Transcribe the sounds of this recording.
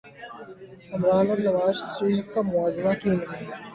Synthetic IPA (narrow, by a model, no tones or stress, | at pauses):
ɐmɾaːnɔɾnɐʋaːzsiːfkamʊaːzɪmakinɐna